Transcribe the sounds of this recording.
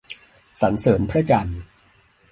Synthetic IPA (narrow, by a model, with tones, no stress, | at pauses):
sa˩˦nsɤː˩˦npʰɾa˥˩t͡ɕa˧n